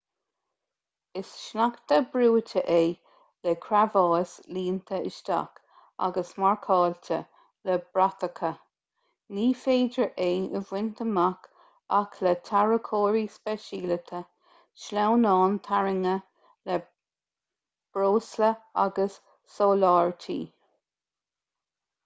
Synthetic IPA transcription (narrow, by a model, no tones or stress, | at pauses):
ɪsʃnakt̪əbɾuːtʰəʔeː | lɛkʰɾavɑːsliːnt̪ʰəɪ̰ʃt̪a̰k | a̰ɡəsmaɹkʰɑːltʰə̰ | ləbɾat̪əkʰə | niːfeːdəɹʔeːɪvwɪnt̪ʰəmak | akʰlɛt̪ʰaɹəkʰoːɹispɛʃiːlət̪ʰə | ʃlawnɑːnt̪ʰaɹɪŋə | lə | b̥ɾoːsləa̰ɡəsː | oːlɑːɹtʰḭː